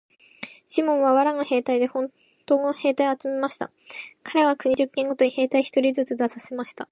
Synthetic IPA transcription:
ɕimõ̞ɰ̃βaβaɾaŋahe̞ːt̪aid̪e̞hõ̞n | t̪o̞ːŋohe̞ːt̪aiat͡sɨme̞maɕi̥t̪a̰ | kʰaɾe̞βakɯ̟ɲ̟iʑɨkːẽ̞ŋɡo̞t̪o̞ɲ̟ihe̞ːt̪aiçi̥t̪o̞ɾʲizɨt͡sɨd̪asase̞maɕi̥t̪a

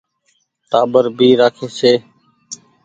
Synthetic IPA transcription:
ʈaːbəɾbʱiːɾaːkʰeːseː

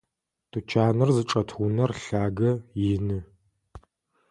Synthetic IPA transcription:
tʰʼɨt͡ʃʰaːnɨrzɨʈ͡ʂʼɐtʰxunɐrɬaːɡɐjɪnɨ

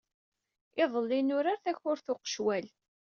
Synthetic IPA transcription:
ɪðˤəlːinʊɾaɾθæçʊɾθʊqə̥ʃwæl

